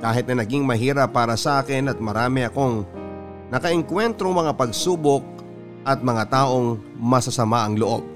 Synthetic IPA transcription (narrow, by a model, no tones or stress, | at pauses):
kaːɦɪt̪̚nɐjnɐɡiŋmɐɦiːɾɐpːaːɾɐsɐʔaːkɪnɐt̪̚mɐɾaːmɪɐko̞ŋ | nɐkɐʔɪŋkwɛnt̪ɾoŋmɐŋapɐɡ̚suːbok̚ | ʔɐt̪̚mɐŋat̪aːʔo̞ŋ | mɐsɐsɐmaʔɐŋloʔob̚